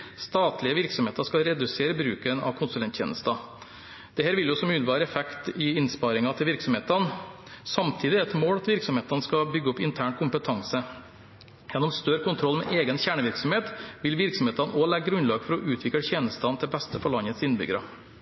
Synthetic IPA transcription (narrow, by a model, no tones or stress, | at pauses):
st̪ɑːt̪lɪəʋɪɾksɔmheːt̪əʂkɑɾɛd̪ʉseːɾəbɾʉːkənɑ̰ʋkʰʊnsʉlɛnt̪ʰçjḛːnəst̪ɑ | d̪̥ɛhæːɾʋɪljʊsɔmʉːlɪʋɑːɾəɛfɛkt̪ɪɪnspɑɾɪŋɑt̪ʰɪlʋɪɾksɔmheːt̪ən | sɑmt̪ʰiːd̪ɪɛt̪moːlɑt̪ʋɪɾksɔmheːt̪ɑnəskɑbʏɡːəɔpɪnt̪ʰæːɳkʰʊmpət̪ʰɑŋsə | jɛnːɔmst̪œɾkʊnt̪ʰɾɔlːmɛ̰ʔeːɡənçæːɳəʋɪɾksɔmheːt̪ʋɪlʋɪɾksɔmheːt̪ɑnoːlɛɡəɡɾʉnlɑːɡfɔɾɔʔʉːt̪ʰʋɪkːlçeːnəst̪ɑnt̪ʰɪbɛst̪əfɔɭɑnːət̪sɪnːbʏ̰ɡɾɑ